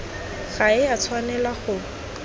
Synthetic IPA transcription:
ɣaɪat͡sʰwanɛlaχʊ

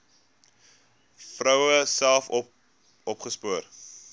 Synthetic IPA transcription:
frəwəsælˠf | ɔpχəspuər

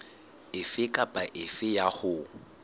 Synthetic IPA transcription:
ɪfɪkʼapʼaʔɪfɪjaχʊ

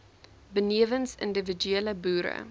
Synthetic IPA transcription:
bəniəvənsə̰ndəvəd͡ʒyeləbuːɾə̰

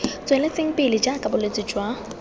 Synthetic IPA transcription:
t͡sʼwɛlɛt͡sʼɪŋ̩pɪlɪd͡ʒakʼabʊlet͡sʼɪd͡ʒwa

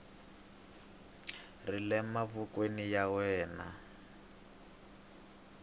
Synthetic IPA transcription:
rilɛmaβukwenijawɛːna

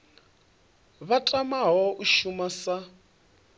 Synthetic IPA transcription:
βatʼamaɦɔʔuʃumasa

